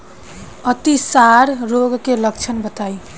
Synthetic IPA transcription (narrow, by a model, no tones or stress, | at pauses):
ʌt̪isaɾɾoɡkeləkt͡ʃʰənbət̪aj